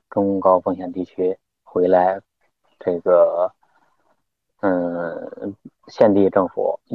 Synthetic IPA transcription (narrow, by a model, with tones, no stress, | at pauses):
ʈ͡ʂʊ˥ŋkɑ˥ʊfɤ˥˩ŋɕjɛ˨˩nt̪i˥˩t͡ɕʰy˥ | xwe˧˥ɪla˧˥ɪ | ʈ͡ʂɤ˥˩ɡə˩˥˧ | ɕjɛ˥˧nt̪i˥˧ʈ͡ʂɤ˥˩ŋfṵ˨˩˦